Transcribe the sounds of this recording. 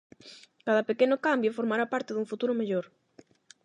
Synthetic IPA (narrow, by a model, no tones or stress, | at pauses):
kað̞ɐpekenʊkambjofoɾmaɾapaɾt̪ɪðuŋfut̪uɾʊmeʎoɾ